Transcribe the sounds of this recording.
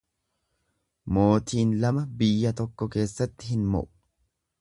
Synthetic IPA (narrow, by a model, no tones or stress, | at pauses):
mo̞ːt̪ʰiːnlɐmɐbɪjːɐt̪ɔkːɔke̞ːsːɐt̪ːɪɦɪnmɔ̰ʔʊ̥